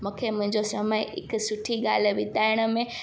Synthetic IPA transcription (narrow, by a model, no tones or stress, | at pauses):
mũːkʰemʊ̃ɦɪ̃ɲd͡ʑosɐməɪɪ̰ksʊʈʰiɠaːl̤ʋɪt̪aːɪɽ̃ə̆mẽ